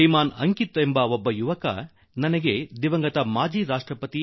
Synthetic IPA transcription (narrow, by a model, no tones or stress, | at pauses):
ɐjmaːnɐŋkit̪embɐobːɐjuʋɐkɐ̰ | nɐnɐɡed̪iʋɐŋɡɐt̪ɐmaːd͡ʒiːɾaːʂʈɾɐpɐt̪i